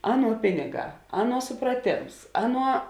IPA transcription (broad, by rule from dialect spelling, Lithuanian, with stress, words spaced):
ˈɑːˌnuɔ ˈpʲɪnʲɪˌɡɑː ˈɑːˌnuɔ sʊprɐˈtʲeːms ˈɑːˌnuɔ